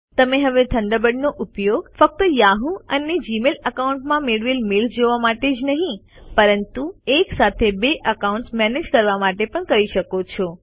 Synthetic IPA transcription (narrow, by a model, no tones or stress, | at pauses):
t̪əmeɦəʋed̪ʰʱəɳɖəbəɖnoʔʊpjoɡfək̚t̪əjaɦũəned͡ʒimeləkauɳʈmãmeɭʋilmeld͡ʒoʋamaʈed͡ʒnəɦĩ | pəɾənt̪ueksat̪ʰebeʔəkauɳʈsmɛned͡ʒkəɾʋamaʈepəɳkəɾiʃəkot͡ʃʰɔ